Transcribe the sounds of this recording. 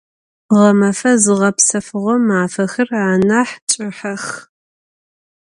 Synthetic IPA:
ʁɐmɐfɐzɨʁɐpsɐfɨʁʷɔmaːfɐxɨraːnaħt͡ʃʼɪħɐx

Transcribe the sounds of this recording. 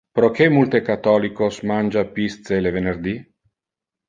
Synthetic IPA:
pɾokemult̪ekat̪ɔlikosmand͡ʒapist̪selevenerd̪i

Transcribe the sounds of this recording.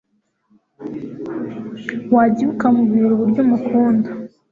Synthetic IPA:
waɟiβukamuβiɾuβuɾɟumukʰuːnda

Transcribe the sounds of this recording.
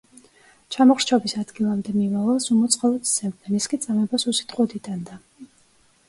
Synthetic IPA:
t͡ʃʰamɔχɾt͡ʃʰɔbisad̪ɡilˠamd̪ɛmimavalˠsumɔt̪sʼqʼalˠɔt̪zɛmnɛniskʼit̪sʼamɛbasusi̥t̪ʼχʼqʼɔd̪id̪and̪a

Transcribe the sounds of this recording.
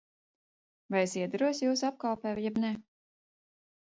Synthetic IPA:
vajesiɛd̪aɾuɔsjuːsap̚kalˠpɛːmjɛbnɛ

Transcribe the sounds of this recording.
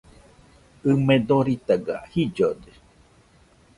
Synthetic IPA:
ɨmed̪oɾit̪aɡa̰hid͡ʒod̪e

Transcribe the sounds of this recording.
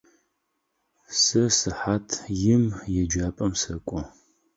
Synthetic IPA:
sɐsɨħaːtʰjɪmjɛd͡ʒaːpʼɐmsɐkʷʼɔ

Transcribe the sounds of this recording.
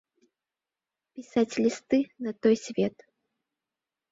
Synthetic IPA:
pʲisat͡sʲlʲist̪ɨnɐt̪ɔjsʲvʲɛt̪

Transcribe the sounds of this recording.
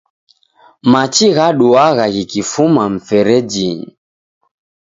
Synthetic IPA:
mat͡ʃiɣaɗuaɣaɣikifumam̩fɛɾɛd͡ʒiɲḭ

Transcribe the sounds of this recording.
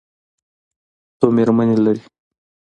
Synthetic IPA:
t̪omeɾmanilaɾi

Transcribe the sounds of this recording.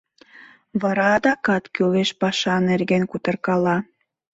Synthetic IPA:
βɑɾɑd̪ɑkɑt̪kʲøleʃpɑʃɑnerɣenkut̪ɤ̆rkɑlˠɑ

